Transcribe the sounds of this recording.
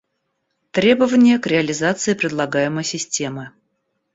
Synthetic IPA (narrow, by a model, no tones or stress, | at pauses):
t̪ɾʲe̞bəvənʲɪjəkɾʲɪəlʲɪzat̪sɨɪpɾʲɪd̪lˠɐɡajɪməjsʲɪsʲtʲe̞mɨ